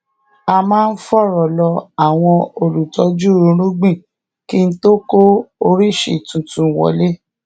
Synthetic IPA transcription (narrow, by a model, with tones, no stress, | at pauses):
a˧mãː˦˧n̩˦fɔ˦˨ɾɔ˨lɔ˧a˨w̃ɔ̃˧o˧lu˨tɔ˨˦d͡ʒu˦ɾũ˧˦ɾ̃ũ˦ɡ͡bĩ˦˨ | ki˦n̩˦to˦ko˦o˧ɾi˦˨ʃḛ˨tũ˨tũ˨˦˨wɔ̰˨le˦